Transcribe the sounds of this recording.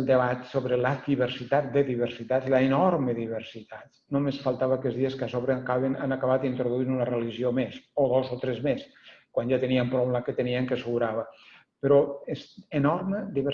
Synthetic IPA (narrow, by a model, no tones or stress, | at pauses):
lˠd̪əβat̪soβɾəladiβəɾsit̪at̪̚d̪əðiβ̞əɾsit̪alaenɔɾməðiβəɾsit̪at̪ | nomesfalˠt̪aβakɛzðiəskasoβɾəkaβena̰nakaβat̪̚d̪int̪ɾoðuinunəreliʒiomesoðozot̪ɾɛzmes | kwanʒat̪əniəmpɾomlakət̪əniəŋkəsəɣuɾaβə | pəɾɔesenɔɾməd̪iβə